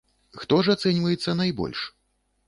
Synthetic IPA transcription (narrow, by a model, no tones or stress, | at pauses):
xt̪ɔʐat̪sɛnʲvɐjɛt̪sːɐnajbɔ̰lʲʂ